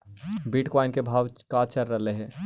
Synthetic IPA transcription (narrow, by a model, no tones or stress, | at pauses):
biːʈkɔːɪnkebʱaːʋkaːt͡ʃəɾːɐɦleɦɛ̃ː